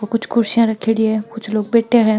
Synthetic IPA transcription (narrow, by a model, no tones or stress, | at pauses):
okʊt͡ʃʰkʰʊɾsijãɾɐkʰeːɡiekʊt͡ʃʰloːɡ̚beːʈeɦɛ̃ː